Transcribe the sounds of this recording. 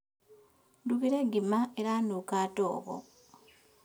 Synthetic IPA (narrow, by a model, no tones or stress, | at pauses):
duβiɾeɡimaeɾanukaːto̰ːβo̰